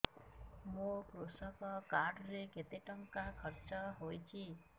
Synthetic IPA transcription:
mũkɾosɔkɔkaɾɖɾeket̪eʈɔŋkakʰɔɾt͡ʃɔɦojt͡ʃʰi

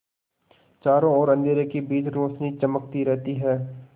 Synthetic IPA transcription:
t͡ʃaːɾõɔːɾɐ̃nd̪ʱeːɾekibiːd͡ʒɾoːʃnit͡ʃɐmək̚t̪iɾɛɦt̪iɦɛː

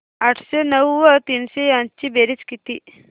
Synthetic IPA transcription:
aʈʰsenəwːət̪iːnseɐnt͡ʃibeɾit͡ʃkit̪i

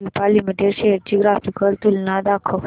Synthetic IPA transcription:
ipalimiʈeɾseʈd͡ʒiɡɾafikəlt̪ulnãd̪akʰəʋ

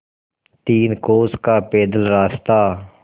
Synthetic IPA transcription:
t̪iːnkoːskaːpeːd̪əlɾaːst̪aː

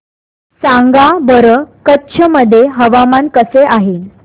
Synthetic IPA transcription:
sãŋɡabəɾəkətːɕʰəməd̪ʱːjeɦəʋamankəseʔaɦe

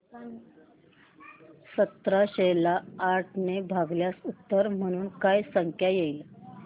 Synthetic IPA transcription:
sət̪ɾaɕelaːʈʰnebʱaɡljasut̪ːəɾm̤əɽ̃uːnkajsəŋkʰjajejl

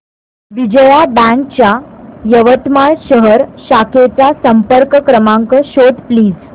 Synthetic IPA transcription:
ʋid͡ʑəjabæ̃ŋk̚t͡ɕjajəʋət̪maɭɕəɦəɾɕakʰet͡sasəmpəɾkəkɾəmãŋkəɕod̪pliːd͡z

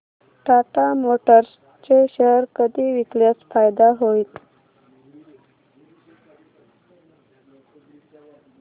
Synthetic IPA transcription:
ʈaʈamoʈəɾs | t͡ɕeɕəɦɾkəd̪iʋikləsfajd̪aɦoiːt̪

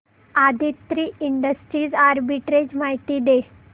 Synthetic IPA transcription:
ad̪ʱit̪ɾiːiɳɖəsʈɾiːd͡zaɾbiʈɾed͡ʑmaɦjt̪iːd̪e

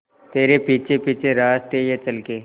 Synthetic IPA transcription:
t̪eːɾepiːt͡ʃʰepiːt͡ʃʰeɾaːst̪ejat͡ʃɐlke

